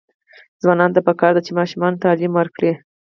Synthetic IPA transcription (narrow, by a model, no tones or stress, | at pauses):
zwɑnɑnt̪apəkɑɾd̪at͡ʃemɑʃumɑnt̪ɑlimwəɾkɽi